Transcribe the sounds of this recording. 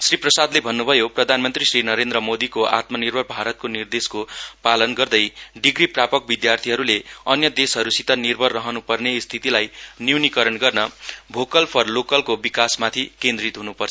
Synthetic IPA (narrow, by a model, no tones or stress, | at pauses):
sriprʌsad̪lebʱʌnːubʱʌjoprʌd̪ʱanmʌnt̪risrinʌɾend̪ɾʌmod̪ikoʔa̰t̪mʌnirbʱʌrbʱaɾʌt̪̚konird̪eskopalʌnɡʌrd̪ʌjɖiɡriprapʌk̚bid̪jart̪ʰiɦʌɾuleʌnjʌd̪esɦʌɾusit̪ʌnirbʱʌrːʌɦʌnupʌrnest̪ʰit̪ilajnjunikʌɾʌnɡʌrnʌbʱokʌlpʰʌrlokʌlkobikasmat̪ʰikend̪rit̪ɦunupʌrt͡sʰʌ